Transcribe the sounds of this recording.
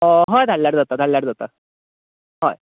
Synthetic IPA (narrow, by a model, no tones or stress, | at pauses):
əɦɔjd̪ʱaljaɽd͡zat̪ad̪ʱalːjaɽd͡zat̪a | ɦoj